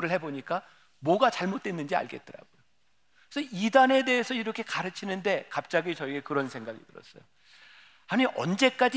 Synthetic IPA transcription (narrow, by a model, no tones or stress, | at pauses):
ɾɯɭhe̞boɲik͈a | mwʌɡat͡ɕaɭmot̚t͈wenːɯnd͡ʑia̰ɭɡe̞̰t̚t͈ɯɾa̰ɡojo | esʰʌidane̞de̞ːsʰʌiɾʌkʰe̞kaɾɯt͡ɕʰinɯnde̞kap̚t͡ɕ͈aɡit͡ɕʌiɡekɯɾʌnsʰe̞ŋɡaɡḭtɯɾʌs͈ʌ̰jo | haniiʔʌnd͡ʑe̞k͈ad͡ʑi